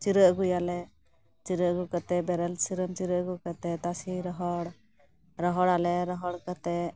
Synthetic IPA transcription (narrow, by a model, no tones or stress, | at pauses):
t͡ʃiɾəʔɡujalɛ | t͡ʃiɾəʔɡukat̪ɛbɛɾɛlsiɾəmt͡ʃiɾəʔɡukat̪ɛt̪asiɾɔɦɔɽ | ɾɔɦɔɽalɛɾɔɦɔɽkat̪ɛ